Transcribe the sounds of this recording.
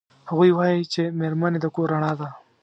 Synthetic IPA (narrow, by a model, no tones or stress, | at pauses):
haɣujwaːjit͡ʃemeɾmaned̪akoɾaɽ̃ad̪a